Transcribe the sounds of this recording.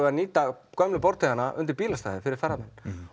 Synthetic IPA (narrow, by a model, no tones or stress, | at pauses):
vɛɾniːt̪akœmlʏpɔɾt̪iðanːaʔʏnt̪ɪɾ̥piːlast̪aːjðɪfɪɾɪɾ̥θarːamɛnː